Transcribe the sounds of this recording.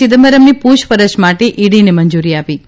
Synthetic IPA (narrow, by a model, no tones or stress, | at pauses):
ɪd̪əməɾəmnipuʃpəɾət͡ʃmaʈeʔiɽineməɲd͡ʒuɾiapi